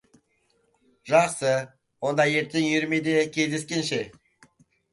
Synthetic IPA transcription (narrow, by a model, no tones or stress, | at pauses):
ʒɑχsə | wond̪ɑjeɾt̪ːɪŋjʏɾmed̪ekʲʰezd̪eskʲenʃɪ